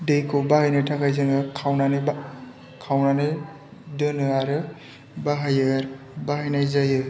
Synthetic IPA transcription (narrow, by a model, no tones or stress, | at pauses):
dɯjkʰowbahɯjnɯjtʰakʰajzɯŋɡɯkʰawnanɯ | kʰawnanɯj | dɯnɯaɾɯ | baɦajɯɾ | bahɯjnajzajɯ